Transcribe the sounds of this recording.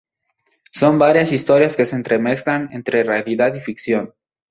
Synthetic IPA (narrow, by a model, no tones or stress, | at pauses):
sombaɾjasist̪oɾjaskeseːnt̪ɾemesklanent̪ɾerealiðat̪ifiksjon